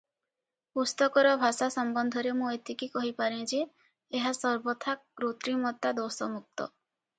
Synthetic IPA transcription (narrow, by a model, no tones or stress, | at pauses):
pust̪ɔkɔɾɔbʱasasɔmbɔnd̪ʱɔɾemũet̪ikikɔɦipaɾẽd͡ʒeː | ɦasɔɾbɔt̪ʰaɡɾot̪ɾimɔt̪ad̪osɔmuk̚t̪ɔ̰